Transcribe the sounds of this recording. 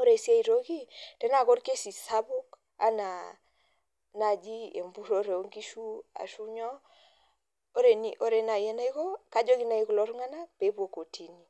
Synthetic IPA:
o˦ɾe˨si˦a˦i˨ɾo˦ki˦tɛ˦na˨kɔ˦ɾke˦si˨sa˦bo˦k | a̰˨˦na˨ | na˨d͡ʒi˦ḛ˨mbu˦ɾo˦ɾe˨o˦ŋɡi˦ʃu˦a̰˨ʃu˦ɲɔ˦ | o˦ɾe˨nḭ˨ʔo˦ɾe˨na˨je˦na˦i˦ko˦ka˦d͡ʒɔ˦ki˦na˨i˦kɔ˨lɔ˦ɾŋa˦na˦pe˨˦po˨ko˨tʰi˨ni˦˨

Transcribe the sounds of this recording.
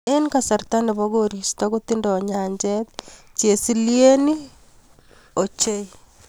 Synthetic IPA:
e˦nkasa˨ɾta˦ne˨βoɣoɾi˨stokut̪indɔɲa˨ɲd͡ʒɛtt͡ʃje˨si˦lje˦ni˦ | o˨t͡ʃe˦i

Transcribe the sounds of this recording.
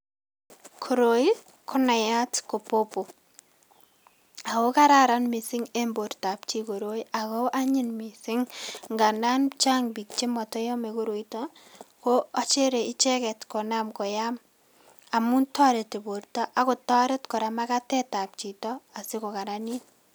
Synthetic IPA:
kʰo˨ɾo˨i˦ | kʰɔ˦na˨ja˦tko˨popo˨ | a˨ko˦ka˦ɾa˦ɾa˦nmi˨sɪ˦ŋe˦mbo˨ɾta˨p̚t͡ʃi˦ko˨ɾo˦i˦a˨ko˦ʔa˦ɲɪ˦nmi˨sɪ˦ŋŋɡa˨na˦nt͡ʃa˦ŋbi˨k̚t͡ʃe˦mɔ˨tɔ˦jɔ˦me˨ko˦ɾo˨i˦tɔko˦a˦t͡ʃe˦ɾe˨ɪ˦t͡ʃɛ˦kɛ˨tkɔ˨na˦mkɔ˨ja˦m | a˨mu˦ntɔ˦ɾe˨te˨bo˨ɾtɔ˦ʔa˦kʊ˨tɔ˦ɾɛ˦tkɔ˨ɾa˨ma˦ka˦tɛ˦ta˨p̚t͡ʃi˨tɔ˦a˨sɪ˦kɔ˨ka˨ɾa˦ni˦n

